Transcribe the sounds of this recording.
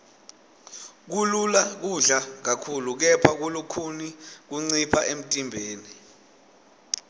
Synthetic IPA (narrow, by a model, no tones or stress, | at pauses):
k̬ululak̬uɮak̬akʰuluk̬ɛpʰak̬ulukʰunik̬uŋ͡ǀipʰaʔem̩tʼimbʱeːni